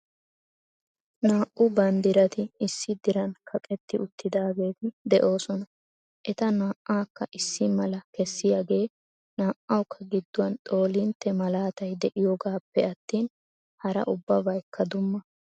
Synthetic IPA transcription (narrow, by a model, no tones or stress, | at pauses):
naːʔʊbɐnd̪ɪɾɐt̪ɪɪsːɪd̪ɪɾɐnkʰɐkʼɛt̪ːɪʊt̪ʰːɪd̪aːɡe̞ːt̪ɪd̪ɛʔo̞ːsɔnɐ | ʔɛt̪ɐnaːʔːaːkːɐʔɪsːɪmɐlɐkɛsːɪjaːɡe̞ː | naːʔɐwkʰːɐɡɪd̪ːʊwɐnt̪ʼo̞ːlɪnt̪ːɛmɐlaːt̪ɐjd̪ɛʔɪjɔɡaːpːɛɐt̪ːiːn | hɐɾɐ̰ʔʊbːɐbɐjkʰːɐd̪ʊmːɐ